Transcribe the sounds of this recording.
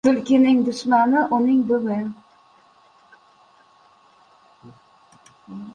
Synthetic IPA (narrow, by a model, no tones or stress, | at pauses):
t̪ʊlkʲɪnɪŋd̪ʊʃmanɪʔʊnɪŋbʊmɪ